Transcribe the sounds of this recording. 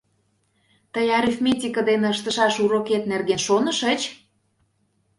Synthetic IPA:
t̪əjɑɾifmʲet̪ʲikəd̪enĕəʃt̪ə̆ʃɑʃuɾoket̪̚nerɣenʃonə̆ʃət͡ɕ

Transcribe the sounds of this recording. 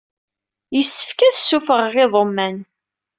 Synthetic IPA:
jəsːə̥fkæθsːufəʁʁɪðˤomːæn

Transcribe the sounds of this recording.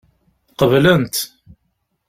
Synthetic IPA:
qəvlənt̪

